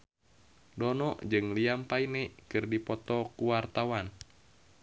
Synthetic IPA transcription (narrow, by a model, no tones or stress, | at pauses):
dɔnɔʔd͡ʒɨŋliampainɛkɨrdipɔt̪ɔkuwart̪awan